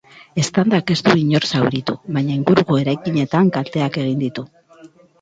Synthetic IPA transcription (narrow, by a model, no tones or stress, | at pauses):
e̞st̪and̪ake̞st̪uiɲo̞ɾsawɾit̪ṵβaɲaiŋɡuɾuɣo̞e̞ɾajkiɲe̞t̪aŋkalt̪e̞ake̞ɣ̞ind̪it̪u